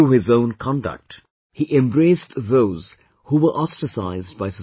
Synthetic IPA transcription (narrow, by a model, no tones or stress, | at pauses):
uhɪzõʊ̃nkʰɑ̃nɖə̰k̚ʈ | hiʔɛ̃mbɾeɪsðoʊz̥ | huːʋə˞ʔɑstəsa̰ɪzdbaɪsə